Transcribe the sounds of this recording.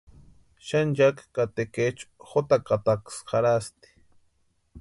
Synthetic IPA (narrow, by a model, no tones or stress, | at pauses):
ʃand͡ʒakkat̪eket͡ʃxot̪akat̪aksxaɾast̪i̥